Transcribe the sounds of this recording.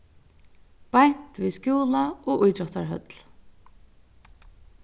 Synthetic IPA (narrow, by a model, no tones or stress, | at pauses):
pajɲ̥t̪viscjuːlaɔɣʔujt̪ɾɔht̪aɹɦœ̰t̪l̥